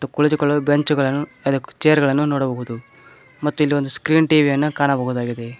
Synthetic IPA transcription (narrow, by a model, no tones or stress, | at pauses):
ɐt̪ːukuɭid͡ʒukɐɭːubeɲt͡ʃuɡɐɭɐnːuɐd̪ɐt͡ʃejɐɾɡɐɭɐnːunoːɽɐbɐɦud̪u | mɐt̪ːuilːiʋo̞nd̪uskɾiːnʈiːʋijɐnːukaːnɐbɐɦud̪aːɡid̪e̞